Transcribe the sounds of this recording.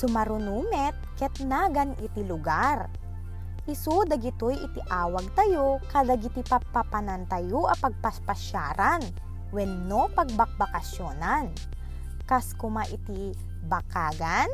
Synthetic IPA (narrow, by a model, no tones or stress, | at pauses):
sʊmɐɾʊnuːmɛt̪̚kɛt̪naːɡɐnʔɪt̪ilʊɡaɾ | ʔɪsud̪ɐɡɪt̪ojʔɪt̪ɪʔaːwɐɡ̚t̪ɐjokɐd̪ɐɡɪt̪ipɐpɐpɐnɐnt̪ɐjoʔɐpɐɡ̚pɐspɐʃaːɾan | wɛnːopɐɡ̚bɐk̚bɐkɐsjonan | kaskʊmaʔɪt̪i | bɐkaːɡan